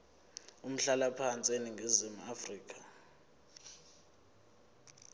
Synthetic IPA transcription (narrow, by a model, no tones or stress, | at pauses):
um̩ɬalapʰant͡sʼieniŋɡʱizimuafriːk̬ʰʼḁ